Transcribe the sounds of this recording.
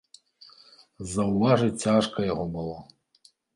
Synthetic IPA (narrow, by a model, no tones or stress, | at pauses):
zɐwvaʐɨt͡sʲaʂkʰɐjɐɣɔbɨlˠɔ